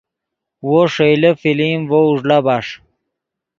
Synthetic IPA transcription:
woʂejlefilimvouʐlabaʂ

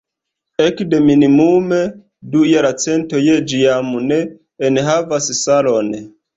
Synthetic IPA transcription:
ekde̞minimume | dujaɾat͡se̞ntojed͡ʒiamuneː | nɦavassalon

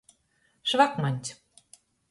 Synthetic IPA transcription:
ʃβɑkmɑnʲt̪ʲ

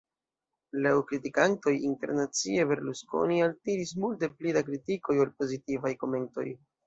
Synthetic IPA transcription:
lawkɾitikanto̞jinte̞̰ɾnat͡sie̞be̞ɾlusko̞̰nialtiɾis̬multe̞plidak̬ɾitiko̞jolpo̞zitivajko̞me̞nto̞̰j

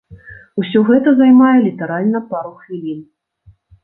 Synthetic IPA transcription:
usʲɔɣɛt̪ɐzajmajɛlʲit̪ɐɾalʲnɐpaɾuxvʲilʲin

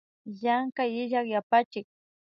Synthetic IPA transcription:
jaŋkajɪʎakjapat͡ʃɪk̚

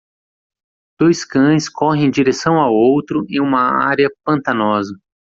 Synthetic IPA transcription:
d̪̥ojskɐ̃j̃skʰɔɦẽj̃d͡ʒiɾesɐ̃w̃awowt̪ɾʊẽj̃ũmɐa̰ɾɐpɐ̃nt̪ɐnɔzɐ

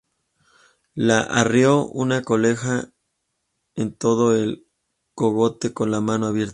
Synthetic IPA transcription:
laʔarjo̞ṵnako̞le̞xa | ent̪o̞ðo̞el | ko̞ɣo̞t̪e̞ko̞nlamãno̞aβje̞ɾt̪

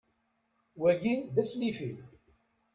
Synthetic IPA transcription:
wæʝinðæslifil

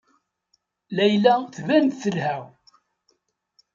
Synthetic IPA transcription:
læjlæθvænt̪θəlhæw

